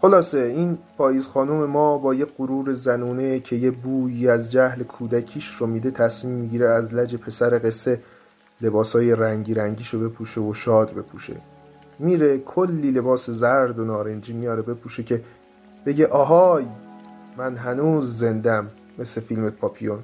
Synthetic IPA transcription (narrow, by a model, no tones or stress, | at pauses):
xo̞lɒːseiːnpʰɒːjiːzxɒːnome̞mɒːbɒːjeɢoɾuːɾe̞zænuːnecʰe̞jebuːjiːæzd͡ʒæhlekʰuːd̪æcʰiːʃɾomiːd̪e̞t̪ʰæsmiːmːiɟiːɾeæzlæd͡ʒe̞pʰe̞sæɾeɣe̞sːe̞ | le̞bɒːshɒːje̞ɾæŋɟiːɾæŋɟiːʃo̞be̞pʰuːʃe̞oʃɒːd̪be̞pʰuːʃḛ | miːɾe̞kʰo̞lːiːle̞bɒːse̞zæɾd̪onɒːɾe̞nd͡ʒiːmijɒːɾe̞be̞pʰuːʃecʰe̞ | b̥e̞ɟe̞ʔɒːɦɒːj | mænɦænuːzːe̞nd̪æmː | e̞sle̞filme̞pʰɒːpʰijon